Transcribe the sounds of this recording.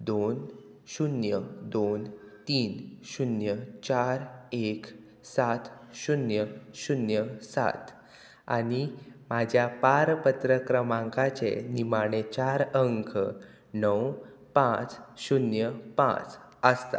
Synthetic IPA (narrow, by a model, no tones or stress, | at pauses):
d̪on | ɕunjəd̪on | t̪iːnɕunjət͡ɕaɾek | sat̪ɕunjəɕunjəsa̰t̪ | a̰ɽimad͡ʑʱjapaɾpət̪ɾəkɾəmãŋkat͡ɕenimaɽ̃et͡ɕaɾəŋkʰə | nəw | pãt͡sɕunjəpã̰t͡s | əst̪a̰